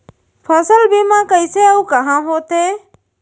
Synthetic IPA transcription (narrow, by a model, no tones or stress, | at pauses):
pʰəsəlbʱiːmãːkəɪseːəukəɦãːɦoːt̪ɦeː